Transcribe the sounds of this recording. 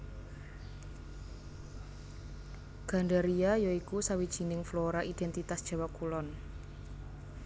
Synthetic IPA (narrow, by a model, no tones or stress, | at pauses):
ɡ̥a̤ɳɖaɾiajoikusawid̥ʒ̥i̤nɪŋfloɾaʔid̥ɛnt̪it̪asd̥ʒ̥a̤wakulɔn